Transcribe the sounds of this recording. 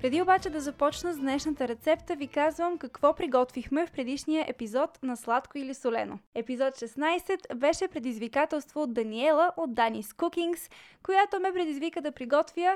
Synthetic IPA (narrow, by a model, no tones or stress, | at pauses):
pɾɛd̪iobat͡ʃɛd̪ɐzɐpɔt͡ʃnəzd̪nɛʃnət̪əɾɛt̪sɛpt̪əvikazvəmkɐkvɔpɾiɡɔt̪vixmɛfpɾɛd̪iʃnijəʔɛpizɔt̪nɐslˠat̪koilisolɛ̰no̰ɛpizɔt̪ʃɛsnajsɛt̪bɛʃɛpɾɛd̪izvikat̪ɛlˠst̪voːd̪d̪ɐniɛlˠəʔod̪d̪ːaniskukiŋkskojat̪omɛpɾɛd̪izvikəd̪ɐpɾiɡɔt̪vjə